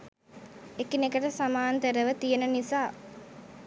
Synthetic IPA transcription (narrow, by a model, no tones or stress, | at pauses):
ekinekəʈəsamaːnt̪əɾəʋət̪ijənənisaː